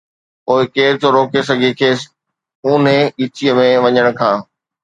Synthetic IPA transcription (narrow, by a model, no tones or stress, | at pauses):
oːɪkeːɾd͡ʑoɾoːkes̬ɐɡʱekʰeːs | ʊːnẽɪt͡ɕijəmẽʋɐɲəɽ̃kʰãː